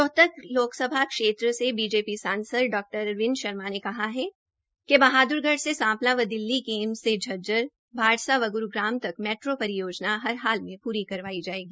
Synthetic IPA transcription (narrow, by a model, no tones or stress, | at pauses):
t̪ɔɦt̪əkloːksɐbʱakʃeːt̪ɾəsebiːd͡ʒeːpisãːnsəd̪ɖɔːk̚ʈəɾʋɪnʃɐɾmanekɐɦaɦɛ | kebɐɦaːd̪ʊɾɡʱəɽsesãːplaʋəd̪ɪlːikeːmsed͡ʒʱɐd͡ʒəɾ | bʱaːɽsaʋɐɡʊɾuɡɾaːmt̪ɐkmɛːʈɾopɐɾɪjoːd͡ʒnaɦɐɾɦaːlmẽpuːɾikɐɾʋaːid͡ʒaːeːɡiː